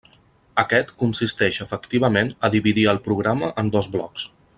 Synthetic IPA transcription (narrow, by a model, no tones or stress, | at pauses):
əkɛt̪kunsist̪ɛʃəfəkt̪iβəmenəðiβiðiəlˠpɾuɣɾaməʔənd̪ɔzβlɔ̰ks